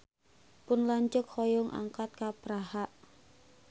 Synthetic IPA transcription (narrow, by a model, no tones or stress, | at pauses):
pʊnlaɲt͡ʃʊkhɔjʊŋʔa̰ŋkat̪̚kapɾahaʔ